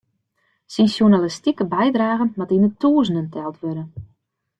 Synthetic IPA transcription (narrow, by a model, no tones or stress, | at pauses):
sinsjunalistikəbɛjdraːɣənmatinətuəzənəntʰɛlˠtʋødən